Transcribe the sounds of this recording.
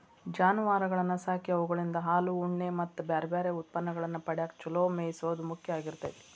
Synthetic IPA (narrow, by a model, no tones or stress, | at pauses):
d͡ʒaːnuʋaːɾɐɡɐɭɐnːɐsaːkjɐʋuɡɐɭind̪ɐɦaːluːɳːemɐt̪ːubaːɾɐbaːɾeut̪̚pɐnːɐɡɐɭɐnːɐpɐɽaːkt͡ʃuloːmeːjisoːd̪umukʰjɐaːɡiɾt̪ɐt̪i